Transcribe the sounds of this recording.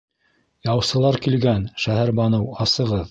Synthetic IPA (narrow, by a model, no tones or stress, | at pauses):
jɑwsɤ̆lˠɑɾkilɡænʃæɦæɾbɑnɤwɑsɤ̆ʁɤð